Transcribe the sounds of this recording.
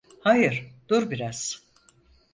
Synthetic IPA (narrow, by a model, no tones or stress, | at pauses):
hajɯɾ̥d̪uɾbiɾaz̥